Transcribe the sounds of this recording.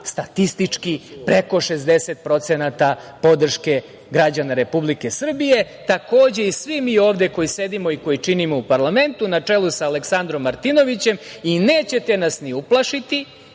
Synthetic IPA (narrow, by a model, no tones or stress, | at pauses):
st̪at̪ist̪it͡ʂkipɾeko̞ʃezd̪e̞set̪̚pɾo̞t̪senat̪apo̞d̪r̩ʃke̞ | ɡɾad͡ʑanaɾe̞publike̞sr̩bije̞ | t̪ako̞ːd͡ʑe̞isʋimio̞ːʋd̪e̞ko̞jise̞d̪imo̞iko̞jit͡ʃinimo̞upaɾlˠame̞nt̪unat͡ʂelusaːle̞ksand̪ɾo̞mːaɾt̪ino̞ʋit͡ɕe̞mine̞ːt͡ɕe̞t̪e̞nasniuplˠaʃit̪i